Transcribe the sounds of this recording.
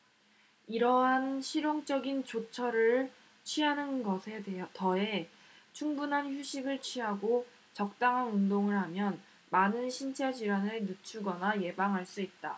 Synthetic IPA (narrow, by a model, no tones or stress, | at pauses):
iɾʌɦanɕʰiɾjoŋt͡ɕ͈ʌɡint͡ɕot͡ɕʰʌɾɯɭ | t͡ɕʰɥiɦanɯnɡʌsʰe̞deʌtʌe̞ | t͡ɕʰuŋbunɦançjuɕʰiɡɯɭt͡ɕʰɥiɦaɡo | t͡ɕʌk̚t͈aŋɦanundoŋɯɭɦamjʌn | manɯnɕʰint͡ɕʰad͡ʑiɾanɯɭjut͡ɕʰuɡʌnaje̞baŋɦaɭs͈uit̚t͈a